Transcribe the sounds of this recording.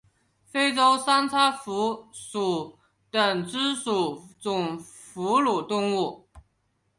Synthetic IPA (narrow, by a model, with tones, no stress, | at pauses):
fe˥ɪʈ͡ʂo˥ʊsa˥nt͡sʰa˥fu˧˥ʂu˨˩ | t̪ə˨˩ŋʈ͡ʂɻ̩˥ʂu˨˩t͡sʊ˨˩ŋ | fu˧˥lu˨˩t̪ʊ˥˧ŋu˥˩